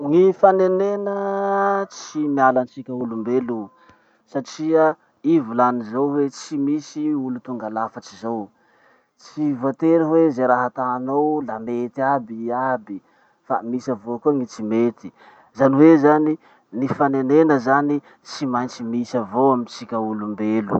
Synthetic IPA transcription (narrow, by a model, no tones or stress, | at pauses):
ŋifanenenə | t͡simialant͡sikʲəulumbelu | saʈ͡ʂiə | ivulanizowwet͡simisiulut̪uŋɡalafət͡sizow | t͡sivoat̪eɾəwezeɾaɦat̪aːnowlamet̪iabiabi | famisavokuəŋit͡simet̪i̥ | zaniwezani | nifanenenəzani | t͡simajɲt͡simisavowamint͡sikʲaulumbelṵ